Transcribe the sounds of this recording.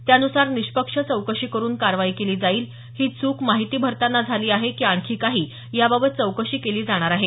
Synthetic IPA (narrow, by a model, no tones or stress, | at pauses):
t̪janusaɾniɕpəkʂət͡səwkəʂiːkəɾuːnkaɾʋaiːkeliːd͡zaiːl | hiːt͡suːkmaɦit̪iːbʱəɾt̪anːad͡zʱaliːaɦekiːaɳkʰiːkaɦiː | jababət̪̚t͡səwkəʂiːkeliːd͡zaɽ̃aɾaɦe